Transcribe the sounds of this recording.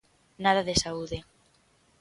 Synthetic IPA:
naðaðesauðe

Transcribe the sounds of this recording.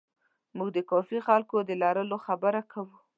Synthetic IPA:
muɡd̪əkɑfixalkod̪əlɑɾəloxabəɾakʰawu

